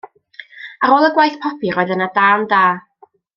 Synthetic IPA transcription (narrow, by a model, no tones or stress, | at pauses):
aɾoːlˠəɡwajθpʰɔpʰiɾoːɨðənadaːndaː